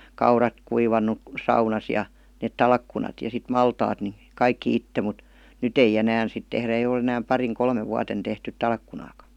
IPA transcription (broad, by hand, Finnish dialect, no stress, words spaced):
kɑurɑt kuiʋɑnːu sɑunɑs jɑ net tɑlkːunɑt jɑ sit mɑltɑːt ni kɑikːĭ itːe mŭt nyt eij enæːn sit tehræ eij ol enæːm pɑriŋ kolmeʋ ʋuɑten tehtyt tɑlkːunɑːkɑ